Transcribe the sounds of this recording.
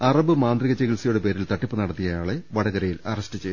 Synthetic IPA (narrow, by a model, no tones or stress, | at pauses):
ɐrɐbɨmaːnd̪riɣɐt͡ɕeɣilsijoɽepe̞ːɾilt̪ɐʈːipːɨnɐɽɐt̪ːijɐjaːɭeʋɐɽɐɣɐɾɐjilɐ̰rɐstɨt͡ɕej